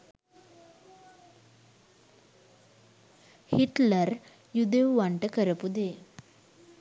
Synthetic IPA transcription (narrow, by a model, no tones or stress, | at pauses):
hiʈləɾ | jud̪eʋʋaɳʈəkəɾəpud̪e